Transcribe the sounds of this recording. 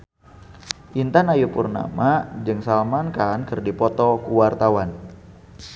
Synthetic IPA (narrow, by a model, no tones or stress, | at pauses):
ʔint̪anajupurna̰mad͡ʒɨŋsalmankankɨrdipɔt̪ɔkuwart̪awan